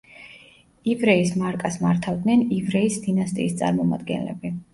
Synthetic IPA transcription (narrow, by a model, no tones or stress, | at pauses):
ivɾɛismaɾkʼasmaɾt̪ʰavd̪nɛnivɾɛisd̪inast̪ʼḭːst̪sʼa̰ɾmɔma̰d̪ɡɛ̰nlɛ̰bi